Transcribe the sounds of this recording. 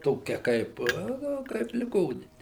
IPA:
ˈtoːkʲɛ ˈkɐɪp ˈnʊ ˈkɐɪp lʲɪˈɡoːnʲɪnʲɪ

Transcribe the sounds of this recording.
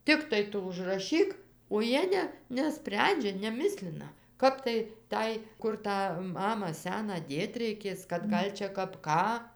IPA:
ˈtʲɪktɐɪ ˈtʊ ʊʒrɐˈʃʲiːk oː ˈjiɛ nʲɛ nʲɛˈsʲpʲrʲɛnʲd͡ʒʲɛ nʲɛˈmʲɪsʲlʲɪnɐ ˈkɐp tɐɪ ˈtɐɪ ˈkʊr tɑː ˈmɑːmɑː ˈsʲæːnɑː ˈdʲeːt rʲɛɪˈkʲeːs kɐt ˈɡɐlʲ t͡ʃʲɛ ˈkɐp ˈkɑː

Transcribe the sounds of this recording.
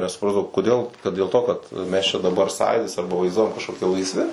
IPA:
nʲɛsʊˈprɑːzdɐʋɐʊ koːˈdʲeːlˠ kɐt dʲeːlˠ ˈtoː kɐt ˈmʲɛs t͡ʃʲɛ dɐˈbɐr ˈsɑːjuːdʲɪs ˈɐrbɐ ʋɐɪzˈduɔjɛm kɐʃkoːˈkʲɪ lˠɐɪsʲˈʋʲɪ

